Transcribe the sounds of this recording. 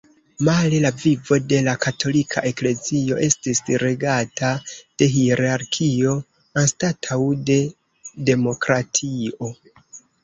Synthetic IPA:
malelavivo̞de̞lakatʰo̞likʰa̰ʔe̞kle̞zio̞ʔe̞stisɾe̞ɡatʰad̥e̞ɦiɾaɾkʰio̞ | anstatʰawde̞ | de̞mo̞kɾatʰio̞

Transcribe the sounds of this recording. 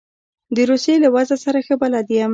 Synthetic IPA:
d̪əɾusjelawazasaɾaxəbalɑd̪iam

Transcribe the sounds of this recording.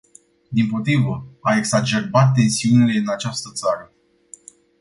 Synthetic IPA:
d̪impo̞t̪ɾivəaeksat͡ʃe̞rbat̪̚ːe̞nsiunile̞ɨnat͡ʃast̪ət̪saɾə

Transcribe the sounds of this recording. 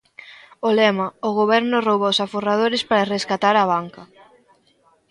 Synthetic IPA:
olɛmɐʊɣ̞oβɛɾnʊrowβaosaforaðoɾespaɾareskat̪aɾaβ̞aŋkɐ

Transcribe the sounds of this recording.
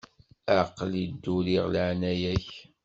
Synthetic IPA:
aqːlid̪ːuliʁləʕnæjæç

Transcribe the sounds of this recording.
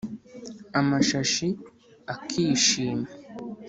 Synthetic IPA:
amaʃaʃi | akʰiʃiːma

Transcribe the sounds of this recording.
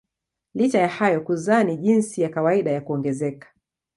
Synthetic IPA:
lit͡ʃajahajɔkuzaːniʄinsijakawaiɗajakuɔŋɡɛzɛkḁ

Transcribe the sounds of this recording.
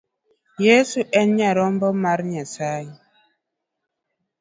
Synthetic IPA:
jesuʔɛnɲaɾɔmbɔmaɾɲasaji

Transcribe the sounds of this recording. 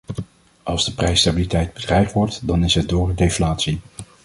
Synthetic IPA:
ʔɑlˠzdəprɛjstabilitɛjd̚bədrɛjχtʋɔɹtdɑnɪsɦɛt̚dʊːrədejflaːtsi

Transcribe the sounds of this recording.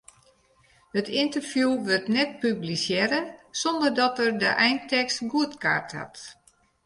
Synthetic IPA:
hətɪntərfjuʋørtnɛt̚pyblisjɛɾəsɔndərdɔtərdəʔɛjntɛkstɡuətka̰rtha̰t

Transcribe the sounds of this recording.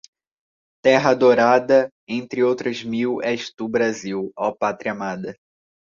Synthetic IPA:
t̪ɛɦɐd̪oɾad̪ɐ | ẽnt̪ɾɪowt̪ɾɐzmiwɛʃt̪ubɾaziwapat̪ɾiɐmad̪ɐ

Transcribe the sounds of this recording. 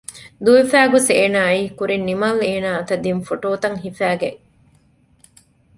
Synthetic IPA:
d̪uʋifæːɡoseːnaːiːkuɾinːimɐleːnaːɐt̪ɐd̪infoʈoːt̪ɐŋɦifæːɡeʔ

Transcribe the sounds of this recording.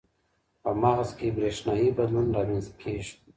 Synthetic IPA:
pəmaɣzkebɾeʃnɑːibad̪lunɾɑmenzt̪̚kʰeːʒ

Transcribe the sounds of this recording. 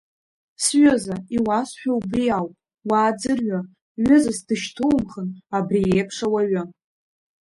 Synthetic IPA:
sɥozaiwasħᶣawbriawpʼ | waːd͡zɨrɥa | ɥʊzasdɨʃtʰowmχənabriepʰʂawaɥʊ

